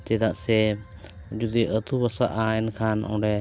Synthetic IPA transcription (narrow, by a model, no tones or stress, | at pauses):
t͡ʃɛd̪aʔsɛ | d͡ʒud̪iʔət̪ubasaʔaɛnkʰanɔ̰̃ɖɛ